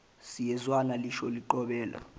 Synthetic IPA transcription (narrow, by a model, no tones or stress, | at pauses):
sijɛzwanaliʃɔliǃɔɓɛːla̰